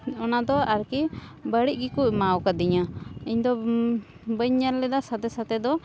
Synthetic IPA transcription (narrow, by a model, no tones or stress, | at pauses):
ɔnad̪ɔaɾkibəɽiʔ̚ɡikuc̚mawkad̪iɲaiɲd̪ɔ | bəɲɲaɾlɛd̪asat̪ɛsat̪ɛd̪ɔ